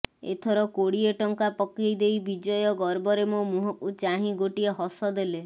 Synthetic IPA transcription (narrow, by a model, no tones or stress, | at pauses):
ḛt̪ʰɔɾɔkoɽieʈɔŋkapɔkejd̪ejbid͡ʒɔjɔɡɔɾbɔɾemomuɦɔʔut͡ʃaɦĩɡoʈieɦɔsɔd̪ele